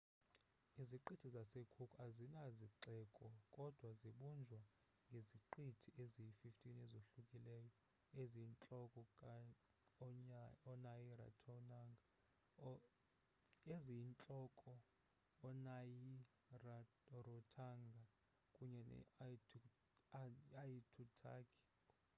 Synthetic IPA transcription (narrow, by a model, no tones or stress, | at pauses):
iziǃitʰizasekʰukʰʼazinaziǁɛːkʼɔkʼɔd̥ʱwaziɓund͡ʒʱwa | ŋɡʱeziǃitʰiʔezijififtʼinɛzoɬukʼilɛːjɔ | eziːnt͡ɬʼɔkʼɔ | ɔnajira̰tʰɔnaŋɡʱa | eziint͡ɬʼɔkʼɔː | naji | ra | rɔtʰaŋɡʱa | kʼuɲɛnɛ̰ | aitʰutʰa̰ːkʰʼi̥